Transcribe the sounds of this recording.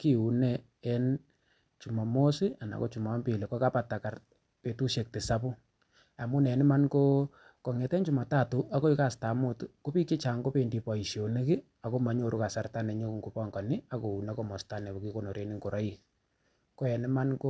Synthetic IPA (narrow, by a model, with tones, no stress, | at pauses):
ki˦u˨nɛ˦ | ɛ˦n | t͡ʃu˨ma˨mo˦sɪ˦a˨na̰˨ko˦t͡ʃu˨ma˨˦mpi˨le˨kɔ˦ka˦pa˨ta˨ka˨r | pe˨tu˦ʃe˨k̚te˨sa˦pu˦ | a˨mʊ˦nɛ˨nɪ˦ma˦nko˦ | kɔ˨ŋɛ˨tɛ˦nt͡ʃu˨ma˨ta˦˨tu˦ʔa˦ko˦i˦ka˦˨sta˨mʊ˦tko˦pi˦t͡ʃe˦t͡ʃa˨ŋko˦pe˨ndi˨pɔ˨i˨ʃjo˨ne˦kɪ˦ | a˨ko˦ma˨ɲo˨ɾu˦ka˨sa˨rta˦nɛ˨ɲo˦kŋɡu˨pɔ˦ŋɡɔ˨ni˦a˨ko˨u˨nɛ˦ko˦mɔ˨sta˦nɛ˨bo˨ki˦ko˦˨no˨ɾe˦ni˦ŋko˨ɾɔ˦i˨ | ko˦ɛ˨ni˦ma˦nko˦